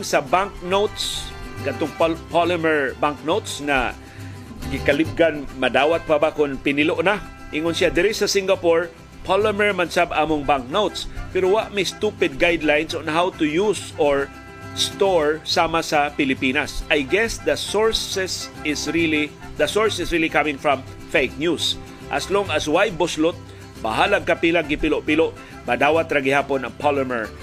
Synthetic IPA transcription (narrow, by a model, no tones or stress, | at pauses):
ŋsɐbaŋk̚nowt̪skɐt̪oŋppalɪmɛɹbaŋk̚nowt̪sŋɐ̰ | ɡɪkɐlɪb̚ɡanmɐd̪aːwat̪̚pɐbakʊnpɪnɪloʔna | ʔɪŋonsjad̪ɛɾɪsɐsɪŋɡɐpoɹ | pʰalɪmɛɹmɐnsabaːmoŋbaŋk̚nowt̪spɛɾowaʔmɛjst̪upɪd̪̚ɡajd̪lajnsonɐɦawt̪ʊjusɔɹ | st̪ɔɹsaːmasɐpɪlɪpinasʔajɡɛsðɐsɔɹsɛsɪsɹilid̪ɐsɔɹsɪsɹilikamɪ̃ŋfɹãm | fejk̚njus | ʔɐ̰sloŋɐswajbʊslʊt̪̚ | ba̰haːlaɡ̚kɐpilaɡɪpɪloʔpɪloʔ | bad̪aːwat̪ɾaɡɪhaːponɐŋpʰaləmɛɹ